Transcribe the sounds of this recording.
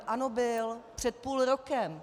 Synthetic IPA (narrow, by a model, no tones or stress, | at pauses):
ʔanobɪlpr̝̥ɛt̪̚puːlɾo̞kɛm